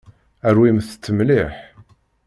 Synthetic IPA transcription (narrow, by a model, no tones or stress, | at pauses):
æɾwimθt͡sːəmliħ